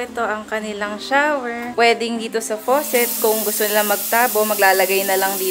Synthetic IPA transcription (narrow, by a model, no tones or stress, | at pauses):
ʔɛt̪o̞ʔɐŋkɐnɪlaŋʃawɛɹpwɛːd̪ɪŋd̪iːt̪o̞sɐfoːsɛt̪̚kʊŋɡʊst̪onɪlamɐɡ̚t̪aːbo̞mɐɡlaːlɐɡajnɐlɐŋd̪iː